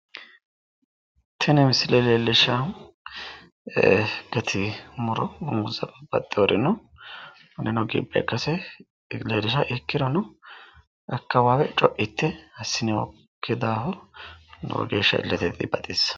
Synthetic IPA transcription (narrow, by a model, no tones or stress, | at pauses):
t̪ʰɐnɛmɪslɛlelːɪʃɐ | ɡɐt̪ʰɪmʊɾɔbɔmʊzɐbɐb̥ɐ̰t̪ʼːɪwɔɾɪnɔ | nɛnɔɡḭbʼːɛ̰kːɐsɛ | ɡledɪʃɐʔɛkːɪɾɔnɔ | ʔɐkːɐwaːwɛt͡ʃʼɔʔɪt̪ːɛhɐsːɪnɪwɔ̰ | kʰːɪd̪aːhɔnɔ̰ɡeːʃːɐɪ̰lːɛt̪ɛt̪ʼːɪ̰bɐt̪ʼeːs